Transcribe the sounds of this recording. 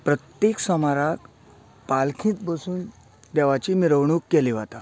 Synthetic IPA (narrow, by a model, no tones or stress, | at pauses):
pɾət̪jeksɔmaɾak | palkʰĩːt̪̚bəsuːn | d̪ɛʋat͡ɕiːmiɾəʋɳ̃uːkːɛliʋat̪a